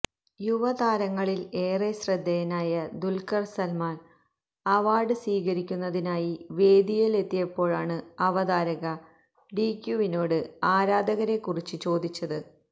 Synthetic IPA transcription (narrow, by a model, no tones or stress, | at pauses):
juʋɐd̪aːɾɐŋːɐɭile̞ːresrɐd̪ʱːejɐnaːjɐd̪ulkɐrsɐlmaːn | ɐʋaːɖɨsʋiːɣɐɾikʲːunːɐðinaːjiʋe̞ːd̪ijɐle̞t̪ːijɐpːo̞ːɭaːɳɨɐʋɐd̪aːɾɐɣɐ | ɖikjuʋino̞ːɽɨaːɾaːd̪ɐɣɐɾe̞kːurit͡ɕːɨt͡ɕo̞ːd̪it͡ɕːɐðɨ